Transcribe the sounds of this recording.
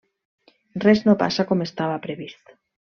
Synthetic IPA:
reznopa̰sakomest̪aβapɾeβist̪o̥

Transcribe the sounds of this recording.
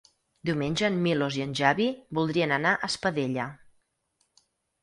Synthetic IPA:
d̪iwmenʲʒəːmːiloziənʲʒaβibulˠd̪ɾiənənaʔəspəðeʎə

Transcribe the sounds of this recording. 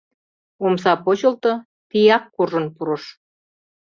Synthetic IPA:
oms̬ɑpot͡ɕəlt̪ŏ | t̪ijɑkːuʒə̆npuɾɤ̆ʃ

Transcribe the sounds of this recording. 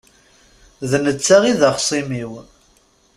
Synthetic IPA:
ðnət͡sːaʁiðaχsˤimiw

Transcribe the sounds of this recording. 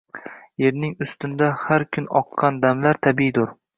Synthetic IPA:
je̞ɾnɪŋʊst̪ɪnd̪ahaɾkʲʰʊnɒqːɑnd̪amlaɾt̪ʰabid̪ʊɾ

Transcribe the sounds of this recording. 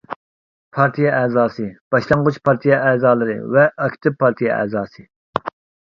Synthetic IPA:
pʰɑɾt̪ʰijɛʔɛːzɑːsɨb̥ɑʃlˠɑŋʁʊt͡ʃpʰɑɾt̪ʰijɛʔɛːzɑːlˠɨɾɨ̰vɛʔɑkʲt̪ʰɨpʰːɑɾt̪ʰijɛ̰ʔɛ̰ːzɑːsɨ

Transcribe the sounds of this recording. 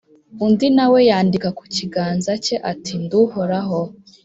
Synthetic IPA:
undinawe̞jaːndikaku̥ciɡaːnzace̞ʔatʰinduhoɾaɦo̞

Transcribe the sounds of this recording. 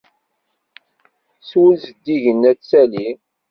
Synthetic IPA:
swəlzəd̪ːiʝənːæt͡sːæli

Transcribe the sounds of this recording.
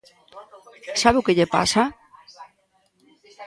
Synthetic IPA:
saβewkeʎepa̰sa

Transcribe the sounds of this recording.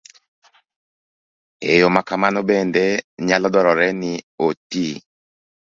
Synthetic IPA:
ḛjomakamanɔbɛndɛɲalɔdɔɾɔɾɛnɪoti

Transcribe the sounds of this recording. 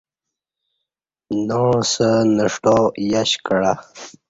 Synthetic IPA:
nosənəʂʈojaɕkəɽa

